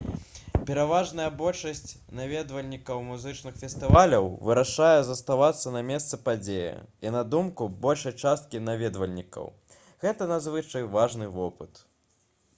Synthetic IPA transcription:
pʲɛɾavaʐnɐjɐbɔlʲʂɐsʲt͡sʲ | navʲɛd̪vɐlʲnʲikɐwmuzɨt͡ʂnɨxfʲɛst̪ɨvalʲɐwvɨɾaʂajɛzɐst̪avat̪sːɐnɐmʲɛst̪sɨpad͡zʲejɛ̰inɐd̪umkubɔlʲʂɐjt͡ʂast̪̚kʲinavʲɛd̪vɐlʲnʲikɐ̰w | ɣɛt̪ɐnazvɨt͡ʂɐjvaʐnɨvɔpɨt̪

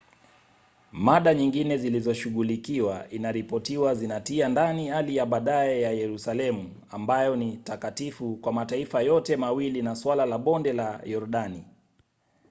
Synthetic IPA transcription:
maɗaɲiŋɡinɛzilizɔʃuɠulikiwaʔinaɾipɔtiwazinatiandanihalijaɓaɗaɛjajɛɾusalɛmu | ambajɔnitakatifukwamataifajɔtɛmawilinaswalalaɓɔndɛlajɔɾuɗani

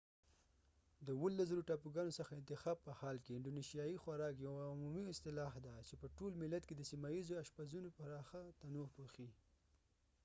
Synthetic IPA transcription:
d̪əwəlːaszəɾoʈɑpuɡɑnosəxaɪnt̪ɪxɑb̚pəhɑlkeɪɳɖoniʃijɑjixwaɾɑkjawumumiɪst̪ɪlɑɦd̪at͡ʃepəʈolmɪlːat̪ked̪əsimajizoaʃpazunopaɾɑxat̪anopoxi

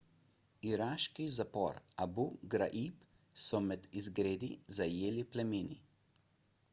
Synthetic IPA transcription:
iɾaːʃkizapɔ̰ːɾabuɡɾa̰ʔip | sɔmɛd̪izɡɾeːd̪izajeːliplɛmeːnḭ

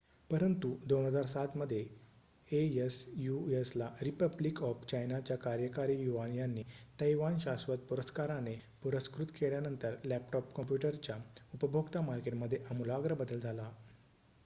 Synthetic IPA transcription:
pəɾənt̪ud̪onɦəd͡zaɾsat̪məd̪ʱːje | eesjueslaɾipəblikɔft͡ɕajnat͡ɕjakaɾjəkaɾiːjuʋanjanːiːt̪əjʋanɕasʋət̪̚puɾəskaɾanepuɾəskɾut̪keljanənt̪əɾlæpʈɔpkəmpjuʈəɾt͡ɕjaupəbʱoɡt̪amaɾkeʈməd̪ʱːjeʔəmulaɡɾəbəd̪əld͡zʱala

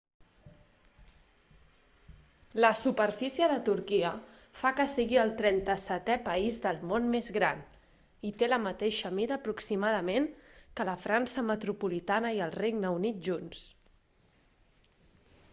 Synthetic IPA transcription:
ləsupərfisiəðət̪uɾkiə | fakəsiɣiəlˠt̪ɾɛnt̪əsɛt̪ɛpəizðəlˠmonmezɣɾan | it̪eləmət̪eʃəmiðəːpɾuksimað̞əmeŋkələfɾansəmət̪ɾupulit̪anəiəlˠrejɡnəunit̪̚ʒuns

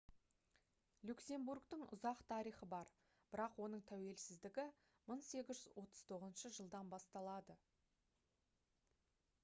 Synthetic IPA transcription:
lʲukse̞mbuɾkt̪əɴʊ̰zɑqt̪ʰɑɾijχəbɑɾ | b̥ɪɾɑqwo̞n̪əɴt̪ʰæwe̞lsɪzd̪ɪɡʲɪ | məɴse̞ɡʲɪzʒʏzwo̞t̪ə̥z̥t̪ʰo̞ʁəzənʃəʒəlˠd̪ɑnbɑst̪ɑlˠɑd̪ə

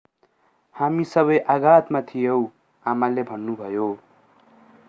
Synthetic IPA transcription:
hamisʌβʌjʔaɡat̪mat̪ʰijew | amalebʱʌnːubʱʌjo

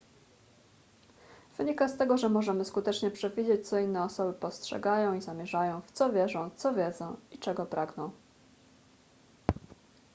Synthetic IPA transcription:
v̥ɘɲikast̪ɛɡɔʐɛmɔʐɛmɘskut̪ɛt͡ʂɲɛpʂɛvʲid͡ʑet͡ɕt̪sɔinːɛɔsɔbɘpɔstʂɛ̰ɡajɔ̃w̃izamʲjɛʐajɔ̃w̃ft̪sɔvʲjɛʐɔ̃w̃t̪sɔvʲjɛd̪zɔ̃w̃it͡ʂɛɡɔpɾʔaɡnɔ̃w̃

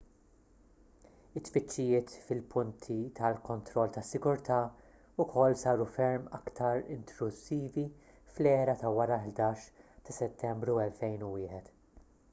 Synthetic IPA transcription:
ɪt̪ːfɪt͡ʃːɪjɪːt̪fɪlpʊnt̪ʰit̪ɐlkɔnt̪ɾɔlːt̪ɐsːɪɡʊɾt̪ɐː | ʊkʰɔlːsɐːɾufɛɾmɐkt̪ɐɾɪ̰nt̪ʰlʊsːiːvi | flɛːɾɐt̪ɐwɐɾɐħd̪ɐːʃt̪ɐsɛt̪ːɛmbɾuɛlfɛjnʊwɪːħɛt̪

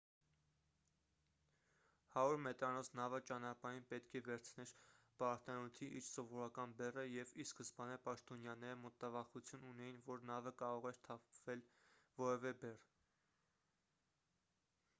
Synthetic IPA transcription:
hɑɾuɾmɛt̪ɾɑnɔsnɑvət͡ʃɑnɑpɑɾinpɛt̪kʰɛvɛɾt͡sʰnɛɾb̥ɑɾt̪ɑnut̪ʰiʔiɾsɔvɔɾɑkɑnbɛrəjɛviskəsbɑnɛpɑʃt̪ɔnjɑnɛɾəmɔt̪ːɑvɑχut͡sʰjununɛjinvɔɾnɑvəkɑɾɔʁɛɾt̪ʰɑpʰv̥ɛlvɔɾɛvɛbɛr

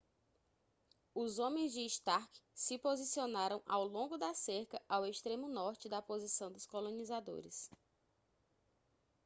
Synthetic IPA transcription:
ʊzõmẽj̃zd͡ʒɪːʃt̪aɾkɪ̥sɪpozisionaɾɐ̃w̃ʔa̰wlõŋɡʊd̪ɐseɾkɐʔaweʃt̪ɾẽmʊnɔɾt͡ʃɪd̪ɐpozisɐ̃w̃d̪ʊskolõnizad̪o̰ɾɪ̰s

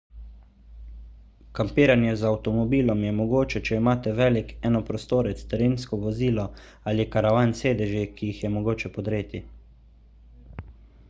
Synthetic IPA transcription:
kampiːɾanjɛzawt̪ɔmɔbiːlɔmjɛmɔɡoːt͡ʃɛt͡ʃɛimaːt̪ɛʋɛːlikɛːnɔpɾɔst̪oːɾɛt̪st̪ɛɾiːnskɔʋɔziːlɔ | alikaɾaʋaːnseːd̪ɛʒikijixjɛmɔɡoːt͡ʃɛpɔd̪ɾeːt̪i

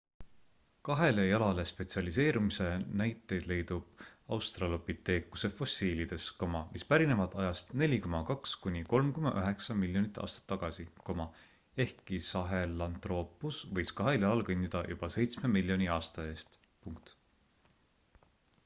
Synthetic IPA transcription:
kɑɦe̞le̞jɑlɑle̞spe̞t̪siɑlise̞ːɾumise̞næjt̪ːˑe̞jd̪̥le̞jd̪ub̥ɑwst̪rɑlopit̪e̞ːkːuse̞fo̞sːiːlid̪̥e̞sko̞mɑmʔispæɾine̞vɑt̪ˑɑjɑst̪ne̞lʲikomɑkɑkskunʲiko̞lmkumɑ̰ʔøɦe̞ksɑmilʲjo̞nit̪ːˑɑ̰ːst̪ɑ̥t̪ːɑɡ̥ɑsiko̞mɑ | e̞hkːˑisɑɦe̞lɑnt̪ro̞ːpːˑusvɤjskɑɦe̞ljɑlɑlkɯnʲːid̪̥ɑjub̥ɑse̞jt̪sme̞milʲːjo̞nʲiɑːst̪ɑe̞ːst̪ | puŋk̚t̪

